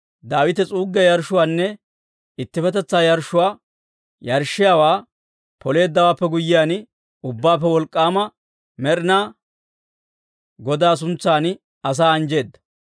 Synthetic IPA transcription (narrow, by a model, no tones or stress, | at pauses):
d̪aːwɪt̪ɛt͡sʼuːɡːɛjɐɾʃʊwaːnːɛ | ɪt̪ːɪfɛt̪ɛt͡sːaːjɐɾʃːʊwaː | jɐɾʃːɪjaːwaː | pʰɔle̞ːd̪ːɐwaːpːɛɡʊjːɪjaːn | ʊbːaːp̬ːɛwɔlkʼːaːmɐ | mɛɾɪnaː | ɡɔd̪aːs̬ʊnt͡sːaːn | ɐs̬aːɐnd͡ʒe̞ːd̪ːɐ